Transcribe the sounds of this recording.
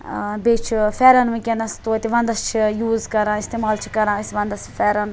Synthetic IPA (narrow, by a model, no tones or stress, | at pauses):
beːt͡ʃʰifɛːɾɐnʋĩkʲenɐst̪oːt̪iʋɐ̃nd̪ɐst͡ʃʰijuːzkɐɾãːist̪eːmaːlt͡ʃʰi̥kɐɾãːisʋɐ̃nd̪ɐsfɛːɾɐn